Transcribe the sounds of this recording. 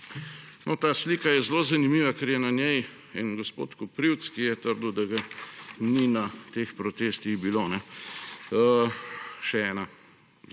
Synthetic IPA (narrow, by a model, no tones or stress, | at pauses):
nʔɔt̪aːslikajɛzloːzanimiːʋakɛɾjɛnanjɛj | inɡospo̰ːt̪kɔpɾiwt̪skijɛt̪əɾd̪wd̪aɡaninat̪expɾɔt̪eːst̪iɣbilonɛ | ʃɛɛːna